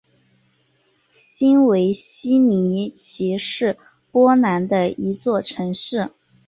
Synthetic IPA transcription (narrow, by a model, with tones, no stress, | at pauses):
ɕi˥nwe˧˥ɪɕi˥ni˧˥t͡ɕʰi˧˥ʂɻ̩˥˩ | pwɔ˥na˧˥nd̪ə˧i˧˥t͡swɔ˥˩ʈ͡ʂʰɤ˧˥ŋʂɻ̩˥˩